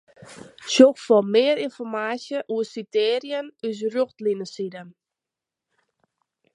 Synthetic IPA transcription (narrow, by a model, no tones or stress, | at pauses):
sjoxfɔmɪːəɾinfɔrmaːsjəʔuəsiteːɾjənys̬roxtlinəsidən